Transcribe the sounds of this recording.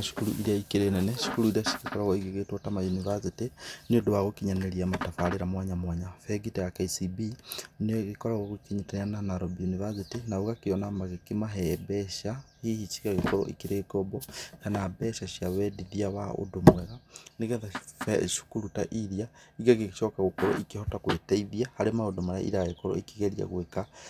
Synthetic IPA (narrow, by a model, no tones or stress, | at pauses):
aʃu̥kulṵʔiɾiaikiɾenɛnɛʃi̥kuɾuiɾiaʃi̥kikoɾaɣɔiɣeɣetwotamajunivasitiniodowaɣokiɲaneɾiamatafaɾiɾamwaɲamwaɲafɛɡitijakaisibineɣikɔɾaɣoɣukiɲitaananaɾobiunivasitinauɣakiɔnamaɣekimaɦɛbɛʃahihit͡ʃiɣaɣekɔɾɔ̰ʔḭkiɾekɔbɔhanabɛʃaʃjaβɛdiðiawao̰domwɛɣaneɣɛnðaʃu̥kuɾutaʔiɾija | iɣaɣeʃɔkaɣukɔɾɔ̰ʔikihotakwetaiðiahaɾemaodomaɾa̰ʔḭɾajekɔɾɔ̰ikiɣeɾia̰ɣweka